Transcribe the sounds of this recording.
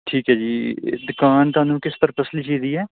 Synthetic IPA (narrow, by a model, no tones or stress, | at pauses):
ʈʰiːkɦɛːd͡ʒiːd̪ʊkaːnt̪ʊɦaːnũːkɪspəɾpəsliːt͡ʃiːziːɛː